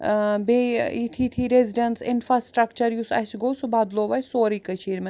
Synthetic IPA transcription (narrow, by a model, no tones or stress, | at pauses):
beit̪ʰit̪ʰiɾeziɖɐnsɪnfɾasʈɾɐkt͡ʃɐɾjusɐ̰ʃɡowsubaːd̪loːʋɐjsoːɾikəʃʰiːɾmɐ